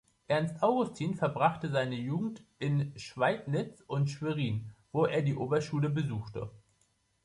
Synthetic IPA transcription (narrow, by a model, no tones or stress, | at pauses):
ʔɛɐnstʔaʊɡʊstʰiːnfɛɐbʁaχtəzaɪnəjuːɡŋ̩tʔɪnʃv̥aɪtnɪt͡sʊntʃv̥eʁiːnv̥oːeːɐdiːʔoːbɐʃuːləbəzuːxtə̰